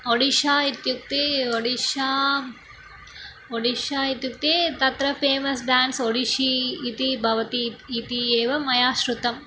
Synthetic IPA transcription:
oɽiʃaːit̪juk̚t̪eoɽiʃaː | oɽiʃaːit̪juk̚t̪eːt̪ɐt̪ɾɐpʰeːmɐsɖaːnɖsoɽiʃiːt̪ibʱɐʋɐt̪iːt̪ieːʋɐmɐjaːʃɾut̪ɐm

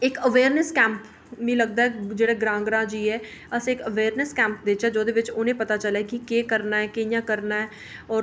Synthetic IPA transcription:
ɪkəʋeːɾnəskɛ̃ːmp | mĩːləɡ̚d̪aːɛd͡ʒeːɽeɡɾãːŋɡɾãːd͡ʒiːɦɛː | əsekəʋeːɾnəskɛ̃ːmpd̪eɪt͡ʃɦɛd͡ʒoːd̪eːʋɪt͡ʃʊnẽpət̪at͡ʃəlakikeːkəɾnaːɛkeɪjãːkəɾnaːɦɛː | ɔːɾ

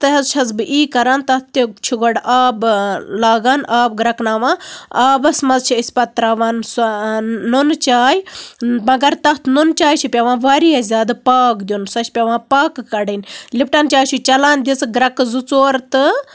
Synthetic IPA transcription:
t̪ɨɦɐzt͡ʃʰɐzbɨʔiːkɐɾaːnt̪ɐt̪ːit͡ʃʰiɡɐɽʔaːblaːɡaːnʔaːbɡɾɐknaːʋãːaːbɐsmɐzt͡ʃʰiɐsʲpɐt̪ɾaʋaːnsː | unt͡ʃaːjmɐɡɐɾt̪ɐt̪ʰnunt͡ʃaːjt͡ʃʰipʲɐʋãːʋaɾijɐzʲaːd̪paːkd̪ʲjunsɐʃʲpʲɐʋãːpaːkːɐɽinʲlipʈaːnt͡ʃʲaːjt͡ʃʰut͡ʃɐlaːnd̪ʲit͡sɡɾɐkzut͡soːɾt̪ɨ

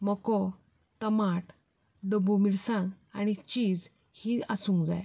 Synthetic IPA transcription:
məkɔ | t̪əmaʈʰ | ɖəbumiɽsã | aɽ̃it͡ɕiːd͡z | hiːasũŋkd͡za̰j

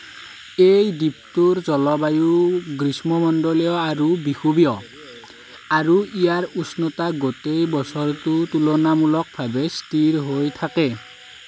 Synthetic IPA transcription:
ejdip̚tuɹzɔlɔbajuɡɹismɔmɔndɔlijɔaɹubixubijɔ | aɹuijaɹusnɔtaɡotejbɔsɔɹtutulɔnamulɔk̚bʱabɛstiɹɦojtʰakɛ

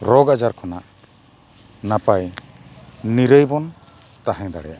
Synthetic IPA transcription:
ɾɔɡad͡ʒaɾkʰɔnaʔ | napaj | niɾəjbɔn | t̪aɦɛ̃d̪aɽɛjaʔ

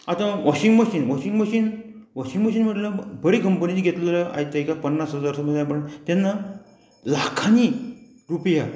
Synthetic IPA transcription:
at̪ãʋɔɕiŋɡməɕiːnʋɔɕiŋɡməɕiːn | ʋɔɕiŋɡməɕiːnm̤əʈləbəɽikəmpənit͡ɕiɡʱet̪lləa̰jt̪ajkapənːasɦəd͡zaɾsəməd͡zjapəɳt̪ɛnːa | lakʰani | ɾupja

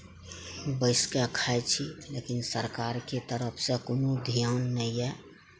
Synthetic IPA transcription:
bəɪskeəkʰajt͡ʃʰilekinsəɾkaɾket̪əɾəpʰsẽkonod̪ʱijanːəiɛ

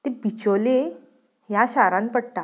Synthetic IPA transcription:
t̪ebit͡ɕole | jaɕaɾãnpəɽʈ̪a

